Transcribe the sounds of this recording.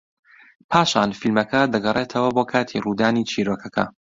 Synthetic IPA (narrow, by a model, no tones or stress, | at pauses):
pʰaːʃaːnfilmɐkɐd̪ɐɡɐrʔeːt̪ʰɐwɐboːkʰaːt̪ʰiruːd̪aːniːt͡ʃʰiːɾoːkʰɐkʰɐ̰